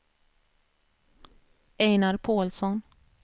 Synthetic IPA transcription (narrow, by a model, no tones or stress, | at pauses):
ɛjnaɾpʰoːlsɔn